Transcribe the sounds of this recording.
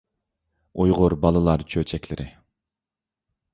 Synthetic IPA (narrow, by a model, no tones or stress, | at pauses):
ujʁʊɾbɑlˠɨlˠɑɾt͡ʃʰøt͡ʃʰɛkʲlɪɾʔɪ